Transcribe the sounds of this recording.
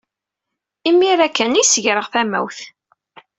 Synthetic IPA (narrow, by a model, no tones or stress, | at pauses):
imːiɾækːænijsəʝɾəʁθæmæ̰wθ